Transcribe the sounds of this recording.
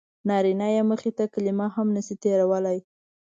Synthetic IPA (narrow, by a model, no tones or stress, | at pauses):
nɑɾinajaməxit̪akalimaɦamnəsit̪eɾawəlaj